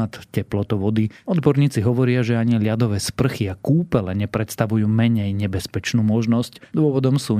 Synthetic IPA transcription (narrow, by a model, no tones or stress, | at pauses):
t̪cɛplɔt̪ɔʋɔd̪iɔd̪bɔɾɲiːt͡siɦɔʋɔɾɪaʒɛaɲilɪad̪ɔʋɛːspr̩xiakuːpɛlɛɲɛpɾɛt̪st̪aʋujuːmɛɲɛjɲɛbɛspɛt͡ʃnuːmɔʒnɔscd̪ʊɔʋɔd̪ɔmsuː